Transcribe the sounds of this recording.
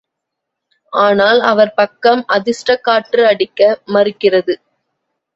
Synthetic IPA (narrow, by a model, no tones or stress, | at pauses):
ʔaːnaːlɐʋɐɾpɐkːɐmɐðɪsʈɾɐkːaːʈːɯɐɽɪkːɐmɐrɯkːɪrɐðɯ